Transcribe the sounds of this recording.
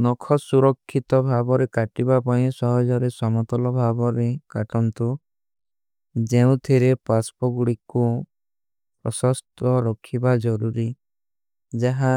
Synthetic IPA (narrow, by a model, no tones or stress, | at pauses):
nɔkʰɔsuɾɔkʰːit̪ɔbʱabɔɾekaʈibapaĩsɔɦɔd͡ʒɔɾesɔmɔt̪ɔlɔbʱabɔɾekaʈɔnt̪u | d͡ʒeũt̪ʰiɾepaspɔɡuɽiku | pɾɔsɔst̪ɔɾɔkʰibad͡ʒɔɾuɾi | d͡ʒaɦa